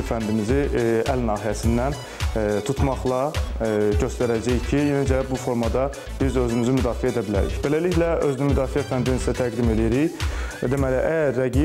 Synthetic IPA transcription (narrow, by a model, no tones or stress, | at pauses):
fænd̪imiziælnɑːɦijæsind̪æn | t̪ʰut̪mɑχlˠɑ | ɟø̞st̪æɾæd͡ʒæjcʰijenæd͡ʒæbufo̞ɾmɑd̪ɑ | b̥izø̞zynyzymyd̪ɑːfiæed̪æbilæ̰ɾḭçbelæliçlæøzynymyd̪ɑːfiæfænd̪inisæt̪ʰæɡd̪ime̞lijeɾiçd̪emæliʔæjæɾːæɡi